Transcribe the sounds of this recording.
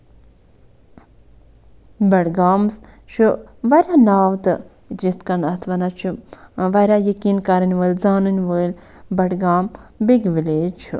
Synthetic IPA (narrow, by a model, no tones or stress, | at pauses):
bɐɽɡaːmst͡ʃʰuʋɐɾʲanaːʋt̪ɨ | d͡ʒit̪kɐnɐt̪ʰʋɐnat͡ʃʰuʋɐɾajɐkiːnkaɾinʲʋəlzaːnɨnʋəl | bɐɽɡaːmbiɡʋileːt͡ʃʰu